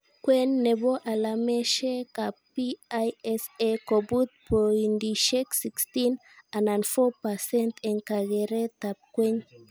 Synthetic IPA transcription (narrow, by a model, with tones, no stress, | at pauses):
kwɛ˦nːɛ˨bɔ˦ʔa˨lamɛʃɛ˦kapiajɛsekɔ˨bu˦t̪̚pɔ˨indiʃɛ˦ksi˨kstin | a˨nanfɔ˦pa˨sɛ˦ntɛ˨nka˨ɣɛɾɛ˦t̪ap̚kwɛ˦ɲ